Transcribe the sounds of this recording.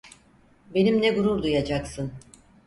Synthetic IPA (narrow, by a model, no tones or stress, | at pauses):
be̞nimnɛɡuɾuɾd̪ujad͡ʒaksɯn